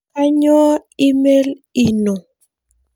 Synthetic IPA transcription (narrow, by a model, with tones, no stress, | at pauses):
a˦ɲɔː˦i˦me˦li˨no˨